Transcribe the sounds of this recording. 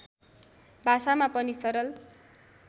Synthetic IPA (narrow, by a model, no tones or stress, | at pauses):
bʱasamapʌnisʌɾʌl